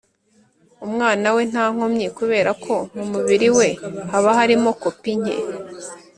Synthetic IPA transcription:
umŋaːnawe̞n̥haːŋ̥omɲekuβe̞ːɾakʰo̞mumuβiɾiwe̞haβaɦaɾimo̞kopiɲḛ

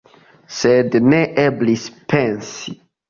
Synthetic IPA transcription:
sedneʔeblispʰẽnsi

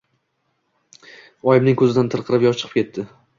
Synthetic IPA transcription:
ɒjɪmnɪŋkʰɵzɪd̪ant̪ʰɨɾqʰɨɾɪpjɒt͡ʃʰɨ̥qʰɨ̥pkʲʰe̞t̪ʰːɪ

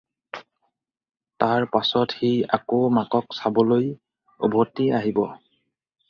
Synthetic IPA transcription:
taɹpasɔtxia̰komakɔksabɔloj | ɔbʱɔtiaɦibɔ

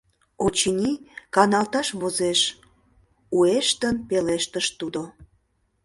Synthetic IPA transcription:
ot͡ɕinʲikɑnɑlt̪ɑʃβozeʃ | ueʃt̪ənpeleʃt̪əʃt̪ud̪o

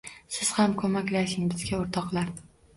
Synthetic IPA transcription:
sɪz̥hamkʰɵmakʲlaʃɪŋbɪzɡʲaoɾt̪ʰɒqlˠaɾ

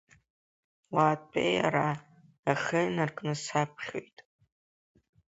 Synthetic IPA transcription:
waːt̚ʼpʰʼḛja̰ɾa | aχənɨrkʼnɨsapʰχʲo̰jtʼ

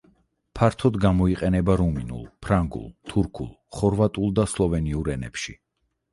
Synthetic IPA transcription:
pʰaɾt̪ʰɔd̪ɡamɔiqʼɛnɛbaɾuminṵlˠpʰɾaŋɡṵlˠt̪ʰuɾkʰulˠ | χɔɾvat̪ʼulˠd̪aslˠɔvɛniuɾɛnɛ̰pʃḭ

